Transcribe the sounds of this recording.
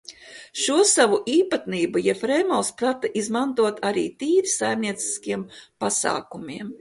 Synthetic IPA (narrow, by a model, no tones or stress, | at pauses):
ʃuɔsaʋuʔiːpat̪niːbujɛfɾɛjmɔlspɾat̪aʔizmant̪uɔt̪ʰaɾḭːt̪iːɾisajmniɛt̪si̥skiɛmpasa̰ːkumiɛm